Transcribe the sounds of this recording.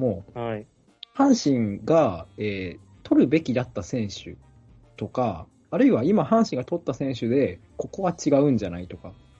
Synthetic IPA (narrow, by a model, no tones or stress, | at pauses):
mo̞ː | hãɰ̃ɕĩŋɡaeː | t̪o̞ɾɯ̟be̞kʲid̪at̪ːasẽ̞ɰ̃ɕɨ̰ | t̪o̞kaː | ɾɯ̟iβaimahãɰ̃ɕĩŋɡat̪o̞t̪ːasẽ̞ɰ̃ɕɨd̪e̞ | ko̞ko̞βat͡ɕiɡaɯ̟̃ɲ̟d͡ʑanait̪o̞ka